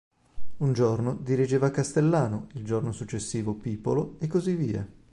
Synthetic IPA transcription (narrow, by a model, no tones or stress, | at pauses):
und͡ʒornod̪iɾid͡ʒeːvakːast̪elːaːnoild͡ʒornosut͡ʃːesːiːvopiːpoloekːozivːiːa̰